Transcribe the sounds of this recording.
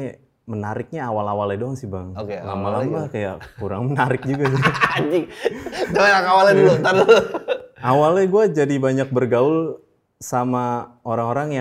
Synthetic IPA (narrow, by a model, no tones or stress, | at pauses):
mənaɾɪk̚ɲaːwalawalɛdɔŋsɪhbaŋokla̰malamakaja̰ʔkuɾaŋmənaɾɪk̚d͡ʒuɡas̬ɪad͡ʒɪ | d͡ʒaanaŋawalɛdlt̪an | awalɛɡuad͡ʒadibaɲak̚bərɡaʊl | sama | oɾaŋoɾaŋja